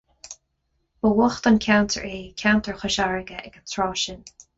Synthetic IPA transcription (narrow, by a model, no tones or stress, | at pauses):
bəwɔxt̪ankʰawnt̪ʰə̰ɹeːkʰawnt̪əɹxʊʃaɹəɡəʔɛɡənt̪ʰɹɔːʃən